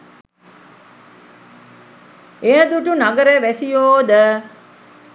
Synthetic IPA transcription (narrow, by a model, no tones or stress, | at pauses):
eə̃d̪uʈunaɡəɾeʋɛsijoːd̪ə